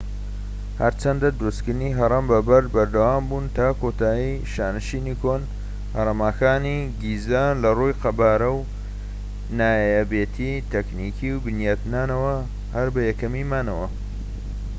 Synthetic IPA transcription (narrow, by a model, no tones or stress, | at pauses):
hɐɾt͡ʃʰɐnd̪ɐd̪ɾuskɨniɦɐɾˤɐmbɐbɐɾbɐɾd̪ɐwaːmbuːnt̪ʰaːkoːt̪aːjiʃaːnɨʃiːnikʰoːn | hɐɾˤɐmaːkaːniɡiːzaːnlɐrujqɐbaːɾɐw | naːjjabeːt̪ʰit̪ʰɐknikʰiwbɨnjaːt̪naːnɐwɐ | hɐɾbɐjɛkɐmiːmaːnɐwɐ